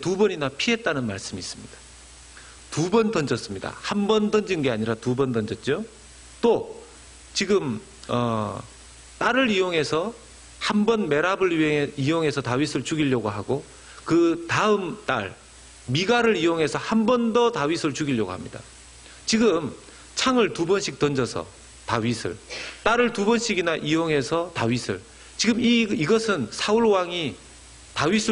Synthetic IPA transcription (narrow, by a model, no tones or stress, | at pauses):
tubʌɲinapʰiɦe̞t̚t͈anɯnma̰ɭs͈ɯmiːs͈ɯmɲid̥ḁ | tubʌntʌnd͡ʑʌs͈ɯmɲida̰hambʌntʌnd͡ʑinɡe̞aɲiɾatubʌndʌnd͡ʑʌt̚t͡ɕ͈o | t͈o | t͡ɕiɡɯm | ʌ | t͈aɾɯɾijoŋɦe̞sʰʌ | hambʌnme̞ɾabɯɭiɦeijoŋɦe̞sʰʌtawisʰɯɭt͡ɕuɡiʎːʌɡoɦaɡo | kɯtaɯmt͈a̰ɭ | miɡaɾɯɾijoŋɦe̞sʰʌhambʌndʌtawɥisʰɯɭt͡ɕuɡiʎːʌɡoɦamɲida̰ | t͡ɕiɡɯm | t͡ɕʰaŋɯɭtubʌnɕʰik̚t͈ʌnd͡ʑʌsʰʌ̰ | tawɥisʰɯ̰ɭt͈aɾɯɭtubʌnɕʰiɡinaʔijoŋɦe̞sʰʌtaɥisʰɯ̰ɭ | t͡ɕiɡɯmiiɡʌsʰɯnsʰaɯɭwaŋi | taɥisʰɯ